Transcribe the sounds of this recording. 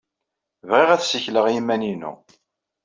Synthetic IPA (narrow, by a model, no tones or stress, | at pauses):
vʁiʁæθsəçləʁjimːæninṵ